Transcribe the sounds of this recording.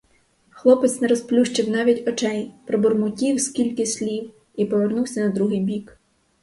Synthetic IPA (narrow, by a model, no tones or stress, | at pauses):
xlˠɔpɪt̪snɛɾɔsplʲuʃt͡ʃɪwnɑʋʲitʲɔt͡ʃɛjpɾɔbɔrmʊtʲiwskʲilʲkɪsʲlʲiw | ipɔʋernuwsʲɐnɐd̪ɾuɦɪjbʲik